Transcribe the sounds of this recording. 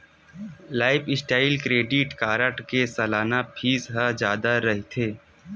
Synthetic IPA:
laːɪpɪsʈaːɪlkɾeːɖɪʈkaːɾəʈkesɐlaːnapʰiːzɦəd͡ʒjaːd̪aɾɐɦit̪ʰeː

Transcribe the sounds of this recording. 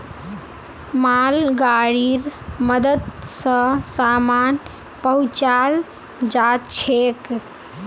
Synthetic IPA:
malɡaɽiɾməd̪əd̪sə̃saman | pəut͡ʃal | d͡ʒat̪t͡ʃʰek

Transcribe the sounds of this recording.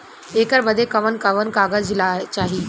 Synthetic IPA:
eːkəɾbəd̪ʱekɐʋənkɐʋənkaːɡəd͡ʒlaːt͡ʃaːɦiː

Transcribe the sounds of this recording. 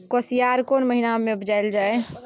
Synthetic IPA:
kosijaɾkoːnməɦinamẽbd͡ʒajld͡ʒae

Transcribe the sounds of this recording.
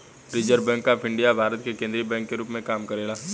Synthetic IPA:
ɾɪd͡ʒəɾbɛ̃ːŋkːapʰɪ̃ɳɖijabʱaːɾət̪kekẽːnd̪ɾibɛ̃ːŋkːeɾuːpmẽkaːmkɐɾeːlaː

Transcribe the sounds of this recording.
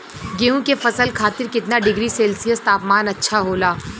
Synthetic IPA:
ɡeːũkefɐsəlkʰaːt̪ɪɾkɪt̪naɖɪɡɾiseːlsijəst̪aːpmaːnɐtːʃʰaɦoːlaː

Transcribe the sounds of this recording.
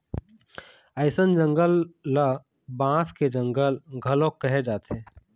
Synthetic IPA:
əɪsənd͡ʒə̃ŋɡəlːə | bãːsked͡ʒə̃ŋɡəlɡʱəlõkːəɦed͡ʒaːt̪ẽː

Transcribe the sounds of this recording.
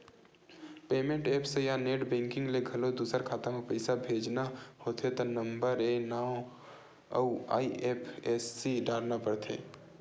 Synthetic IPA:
peːmẽɳʈeːpʰsejaneːʈbɛ̃ːŋkɪ̃ŋɡleɡʱɐlod̪uːsəɾkʰaːt̪amepɐɪsabʱeːd͡ʒnahoːt̪ʰet̪onɐ̃mbəɾenaːõ | ɐua̰ːiʔeːpʰeːsːiɖaːɾnapɐɾt̪ʰḛː

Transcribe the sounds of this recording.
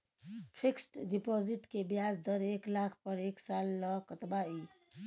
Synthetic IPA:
pʰiksʈɖipɔːziʈkebjasd̪əɾeklakʰpəɾeːksaːlːɔkət̪bai

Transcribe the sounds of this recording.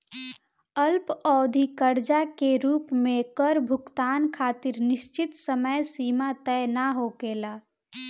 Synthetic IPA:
əlpɔːd̪ʱikəɾd͡ʒakeɾuːpmẽkəɾbʱʊkt̪aːnkʰaːt̪iɾnɪʃt͡ʃɪt̪səməjsiːmat̪əjnaɦokeːlaː

